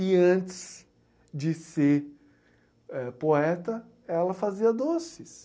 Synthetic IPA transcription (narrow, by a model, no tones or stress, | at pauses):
ɪɐ̃t͡ʃɪ̥s | d͡ʒɪseɾ | ɛpoɛt̪ɐ | ɛlɐfaziɐd̪osɪs